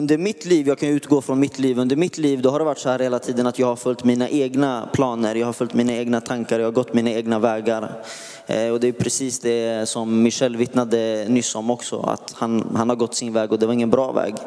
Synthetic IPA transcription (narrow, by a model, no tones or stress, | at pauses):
ɵnd̪əɾmɪt̪liːvjɑːɡkʰanjəʉːt̪ɡoːfɾɔnmɪt̪liːvɵnd̪əɾmɪt̪liːvd̪ɔhaɖɛvaʈːsɔhæːɾheːlat̪ʰiːd̪ənat̪jɑːɡhaɾfœlt̪miːnaʔeːɡnapʰlɑːnəɾjɑːɡhaɾfœlʲt̪miːnaeːɡnat̪ʰaŋkaɾjɑːhaɾɡɔt̪ːmiːnaeːɡnavɛːɡaɾ | ɔd̪ɛjɵpʰɾɛsiːsd̪ɛsɔmːɪʂɛlːvɪt̪nad̪ənʏsːɔmɔksɔ̰a̰t̪hanhanhaɾɡɔt̪ːsɪnvɛːɡɔd̪ɛvaɾɪŋːənbɾɑːvɛ̰ːɡ